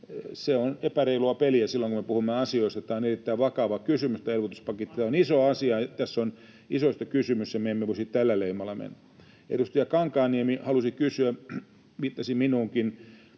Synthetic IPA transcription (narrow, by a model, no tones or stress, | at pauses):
seonepæreiluɑpeliæsilːoŋkumepuhumːeɑsioist̪ɑt̪æːonerit̪ːæiʋʋɑkɑʋɑkysymyst̪æelʋot̪uspɑket̪ːit̪æːonisoɑsiɑt̪æsːon | isoist̪ɑkysymysːæmeemːeʋoisitt̪ælːæleimɑlːˑɑmḛn | ḛdust̪ijɑkɑŋkɑːniemihɑlusikysyæ | mit̪ːɑsiminuːŋkin